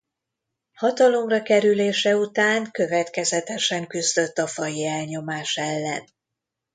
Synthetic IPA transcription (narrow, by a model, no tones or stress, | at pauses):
hɒt̪ɒlo̞mrɒkɛɾyleːʃɛut̪aːŋkø̞vɛt̪kɛzɛt̪ɛʃɛŋkyzd̪ø̞t̪ːɒfɒjiɛlɲo̞maːʃɛlːɛ̰n